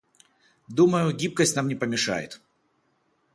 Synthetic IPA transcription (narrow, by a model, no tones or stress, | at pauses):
d̪uməjʊɡʲip̚kəsʲtʲnamnʲɪpəmʲɪʂa̰jɪ̰t̪